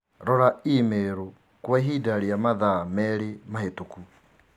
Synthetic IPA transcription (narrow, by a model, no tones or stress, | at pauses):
ɾɔɾaimeɾo | kwaɦiːdaɾiamaðamɛɾemahetoku